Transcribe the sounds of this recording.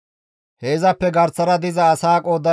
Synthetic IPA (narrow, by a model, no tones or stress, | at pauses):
heːzɐpːɛɡɐɾt͡sːɐɾɐd̪ɪzɐːsaːkʼoːd̪ɐ